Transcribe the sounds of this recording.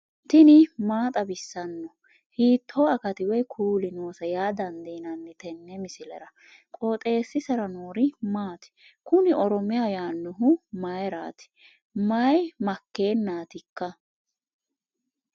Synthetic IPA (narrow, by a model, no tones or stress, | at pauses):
t̪ɪnɪmaːt̪ʼɐbɪsːɐnːɔ | hiːt̪ʰːoːɐkɐt̪ɪwɛjkʰuːlɪnoːsɐjaːd̪ɐnd̪inɐnːɛt̪ɛnːɛmɪsɪlɛ̰ɾɐ | kʼoːt̪ʼe̞ːsːɪsɛɾɐnoːɾɪmaːt̪ɪ̥kʊnɪɔɾɔmɪjajaːnːɔɦʊmɐjɾa̰ːt̪ɪ̥ | mɐjmɐkːe̞ːnːaːt̪ɪkːɐ